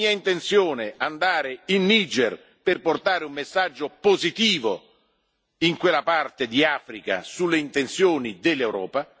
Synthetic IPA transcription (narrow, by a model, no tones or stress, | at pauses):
iːaint̪ent̪sjoːneand̪aːɾeinːiːd͡ʒɛr | perport̪aːɾeumːesːad͡ʒːopozit̪iːvo | iŋkwelːapart̪ed̪iaːfɾika̰sulːeint̪ent̪sjoːnid̪elːewɾɔːpa